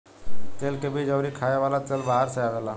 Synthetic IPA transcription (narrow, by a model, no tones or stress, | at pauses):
t̪eːlkebʱid͡ʒəːɾikʰaːeʋaːlat̪elbaɦəɾsəjaʋeːlaː